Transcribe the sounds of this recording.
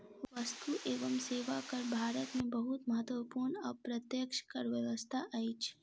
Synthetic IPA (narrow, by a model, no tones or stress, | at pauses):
ʋɐst̪uʔeːʋəmseːʋakɐɾbʱaːɾət̪mẽbɐɦʊt̪mɐɦət̪ʋəpuːɾnɔ̰ːpɾɐt̪jəkʃkɐɾʋəʋəst̪ʰaʔaːiːt͡ʃʰ